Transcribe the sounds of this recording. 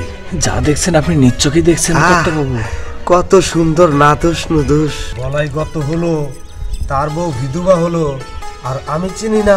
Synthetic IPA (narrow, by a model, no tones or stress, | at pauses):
d͡ʑa̰d̪ekʰt͡ɕʰenapninitːɕokid̪ekʰt͡ɕʰenɔobabukɔt̪oʃund̪oɾnad̪oʃnod̪uʃbɔlajɡɔt̪oɦolo | t̪aɾbobʱid̪ʱubaɦoloaɾamit͡ɕinina